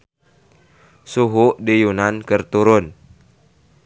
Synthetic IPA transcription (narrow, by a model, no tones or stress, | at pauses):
suɦuʔdijunankərt̪uɾʊn